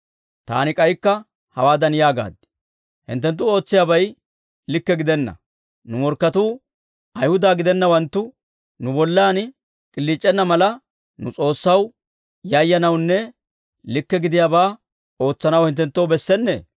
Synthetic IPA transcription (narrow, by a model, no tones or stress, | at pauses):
t̪a̰ːnɪkʼɐjkːɐ | hɐwaːd̪ɐnɪjaːɡa̰ːd̪ɪ̥ | hɪ̰nt̪ːɛnt̪ːʊo̞ːt͡sːɪjaːbɐj | lɪkːɛɡɪd̪ɛnːɐ̰ | nʊmɔɾkːɐt̪uː | ɐjhʊd̪aːɡɪd̪ɛnːɐwɐnt̪ːʊ | nʊbɔlːaːn | kʼɪlːiːt͡ʃʼːɛnːɐmɐlɐ | nʊt͡sʼo̞ːsːɐw | jɐjːɐnɐwnːɛ | lɪkːɛɡɪd̪ɪjaːbaː | o̞ːt͡sːɐnɐwhɪnt̪ːɛnt̪ːoɔwbɛsːɛnːḛː